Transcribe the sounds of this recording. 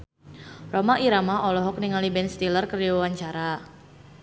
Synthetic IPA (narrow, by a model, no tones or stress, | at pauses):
romaʔiɾamaʔɔlɔɦɔk̚niŋalibɛnst̪ilərkəɾijaawaɲt͡ʃaɾa